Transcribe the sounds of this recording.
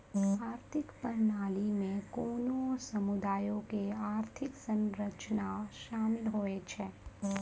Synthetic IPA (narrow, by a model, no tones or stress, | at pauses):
aːɾt̪ʰɪkpəɾnaːlimẽkoːnosəmʊd̪aːjõkeaːɾt̪ʰɪksə̃nɾət͡ʃnaʃaːmɪlɦoːet͡ʃʰɛː